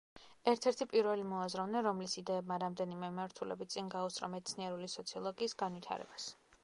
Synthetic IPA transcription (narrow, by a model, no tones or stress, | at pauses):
ɛɾt̪ʰɛɾt̪ʰipʼiɾvɛlimɔazɾɔvnɛɾɔmlisid̪ɛːbmaɾamd̪ɛnimɛmimaɾt̪ʰulɛ̰bit̪̚t̪sʼinɡausʼɾɔ̰mɛt̪sʰniɛɾulisɔt̪sʰiɔlˠɔɡiːsɡanwit̪ʰa̰ɾɛ̰bas